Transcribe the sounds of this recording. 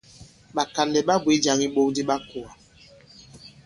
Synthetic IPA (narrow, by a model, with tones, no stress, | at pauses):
ɓa˨ka˨ndɛ˨ɓa˦bwe˨˦d͡ʒa˨ŋi˦ɓo˦di˦ɓa˦ku˨a˨